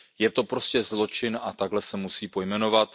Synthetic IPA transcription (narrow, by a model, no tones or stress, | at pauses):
jɛt̪o̞pɾo̞scɛzlo̞t͡ʃɪnʔat̪aɡlɛsɛmusiːpo̞jmɛno̞vat̪